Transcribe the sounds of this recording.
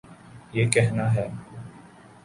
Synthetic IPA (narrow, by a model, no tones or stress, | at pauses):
jeːkɛɦnaɦɛː